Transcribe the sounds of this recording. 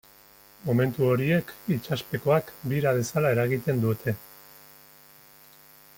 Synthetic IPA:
mo̞me̞nt̪uo̞ɾie̞kit͡ʃaspe̞ko̞akbiɾað̞e̞salae̞ɾaɣit̪e̞nd̪ut̪ʰe̞

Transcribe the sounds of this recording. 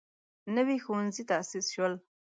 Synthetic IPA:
nəwixowanzit̪aasisʃwəl

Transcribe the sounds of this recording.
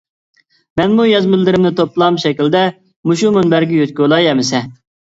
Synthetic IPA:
mɛnmujɑzmɪlːɪɾɪmnɪt̪ʰoplˠɑmʃɛkʲild̪ɛ | muʃumunbæɾɡʲɛjøt̪̚kʲolˠɑjɛmɪsɛ

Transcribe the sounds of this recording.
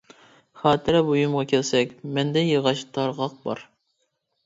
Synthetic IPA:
χɑːt̪ʰɪɾɛbojumʁɑkʲʰɛlsɛkʲmɛnd̪ɛjɨʁɑʃt̪ʰɑɾʁɑq̚bɑ̰ɾ

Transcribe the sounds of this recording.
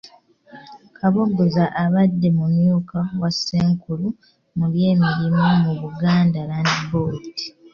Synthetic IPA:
kʰaβoɡuzaʔaβadːe̞mumjuːkawasːeːŋkulu | muβje̞ːmiɾimumuβuɡaːndalaːndiboːti̥

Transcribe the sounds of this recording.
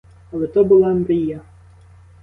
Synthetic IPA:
ɐlˠɛt̪ɔbʊlˠamɾʲija

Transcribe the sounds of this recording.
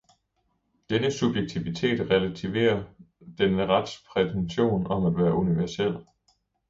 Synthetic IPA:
d̥enəsub̥jeɡ̥̚t͡sʰiʋit͡sʰe̝̰ːd̥ʁɛlæt͡sʰiʋe̝̰ːɐ | d̥enəʁad̥spʰʁɛt͡sʰenɕo̝̰ːnɒ̽mæd̥ʋæːɐuniʋæɐsel̰

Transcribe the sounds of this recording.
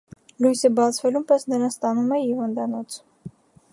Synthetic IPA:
lujsəbɑt͡sʰvɛlumpɛsnəɾɑnst̪ɑnumɛhivɑnd̪ɑnɔt͡sʰ

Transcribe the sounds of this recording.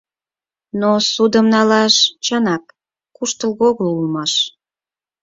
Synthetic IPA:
nosud̪əmnɑlɑʃt͡ɕɑnɑk | kuʃt̪əlɣoɣolulmɑʃ

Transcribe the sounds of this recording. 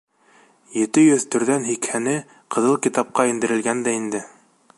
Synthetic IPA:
jɘ̆t̪ɘjɵðt̪ɵ̆ɾðænɦikhænɘ | qɤ̆ðɤlˠkit̪ɑp̚qɑind̪ɘ̆ɾɘ̆lɡænd̪æind̪ɘ

